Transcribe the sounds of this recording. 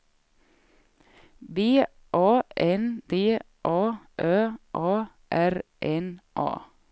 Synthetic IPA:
beː | ʔɑːʔɛnd̪̥eː | ʔɑːʔøːʔɑː | ʔæɾʔɛnʔɑ̰ː

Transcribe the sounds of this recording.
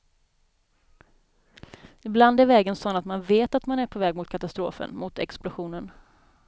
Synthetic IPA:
ɪbland̪æɾvɛːɡənsɔnːat̪manveːt̪at̪manæɾpʰɔvɛːɡmʊt̪̚kʰat̪ast̪ɾo̰ːfə̰nmʊt̪ɛ̰ksplʊɧuːnən

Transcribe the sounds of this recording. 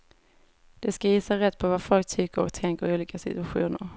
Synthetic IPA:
d̪̥ɛskajiːsaɾɛt̪ːpʰɔvafɔlk̚t̪ʰʏkːəɾɔ̰k̚t̪ʰɛŋkəɾɪuːliːkasɪt̪ɵaɧṵːnəɾ

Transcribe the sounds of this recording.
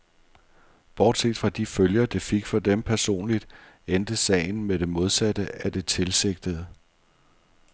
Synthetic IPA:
b̥ɒ̰d̥se̝̰ːd̥fʁɑ̈d̥iføljɐd̥ifeɡ̥fɒ̽d̥empʰæɐso̝̰ːnlid̥ | end̥əsɛ̰ɪn̩med̥e̝mo̝ð̞ˠsæd̥əæd̥e̝t͡sʰe̝lse̝ɡ̥̚d̥əð̩ˠ

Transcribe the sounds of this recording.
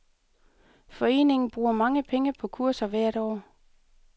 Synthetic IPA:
fɒ̽e̝̰ːne̝ŋn̩b̥ʁuːɐmɑ̈ŋəpʰeŋəpʰɒ̽kʰuɐ̰sɐʋæɐ̰ɾ̥ɒ̰ː

